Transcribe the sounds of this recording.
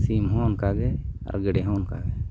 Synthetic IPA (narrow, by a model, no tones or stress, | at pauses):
simɦɔ̃nkaɡɛa̰ɾɡɛɖɛɦɔ̃nka̰ɡɛ